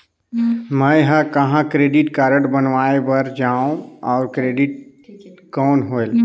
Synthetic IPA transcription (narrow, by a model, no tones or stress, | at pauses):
mə̃ɦə̃kəɦãkɾeːɖɪʈkaːɾəɽbənʋaːebəɾd͡ʒaːõɔːɾkɾeːɖɪʈ̚ | kɔːnɦoel